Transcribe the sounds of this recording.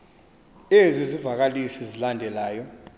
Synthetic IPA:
ezizivak̬alisizilandʱɛlaːjɔ

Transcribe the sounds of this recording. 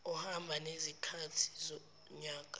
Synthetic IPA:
ɔhambʱanezikʰatʰi̥zɔ | ɲaːkʼa

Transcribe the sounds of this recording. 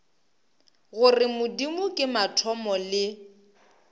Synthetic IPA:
ɣʊrɪmʊdimʊkʼɪmatʰɔmɔlɪ

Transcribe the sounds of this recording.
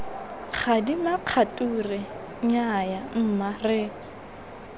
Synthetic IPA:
χʰadimaq͡χʰatʼurɛ | ɲajam̩marɪ

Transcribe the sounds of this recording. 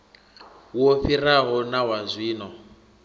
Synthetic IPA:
wofiraɦɔnawazʷwiːnɔ

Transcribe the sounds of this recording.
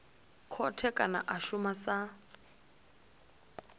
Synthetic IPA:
kʰɔtʰɛkʼanaʔaʃumasa

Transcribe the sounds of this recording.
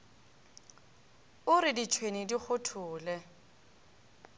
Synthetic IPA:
ʊɾɪdit͡ʃʰwenidik͡xʰʊtʰʊːlɛ

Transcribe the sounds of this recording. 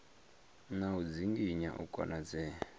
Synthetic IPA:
naud͡ziŋɡiɲa̰ʔṵkʼa̰nad͡zɛː

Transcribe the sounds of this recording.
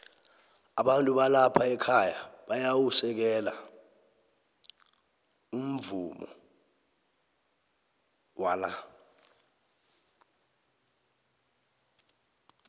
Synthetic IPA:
aɓantʼuɓalapʰaɛkʰajaɓajawusɛk̬ɛla̰ | um̩vumɔ̰ | wala

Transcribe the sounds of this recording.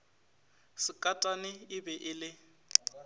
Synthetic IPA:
sɪkʼatʼanɪɪbɛʔɪlɪ

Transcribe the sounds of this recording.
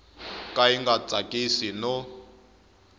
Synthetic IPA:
kʼaiŋɡat͡sʼakʼisinɔ

